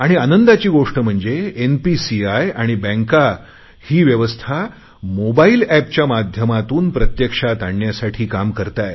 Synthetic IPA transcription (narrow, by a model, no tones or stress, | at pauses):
aɽ̃ianənd̪at͡ɕiːɡoʂʈəm̤əɳd͡zeenpisiajaɽ̃ibɛ̃ŋka | hiːʋjəʋəst̪ʰa | mobailæp̚t͡ɕjamad̪ʱjəmat̪uːnpɾət̪jəkʂat̪aɳːjasaʈʰiːkamkəɾt̪aj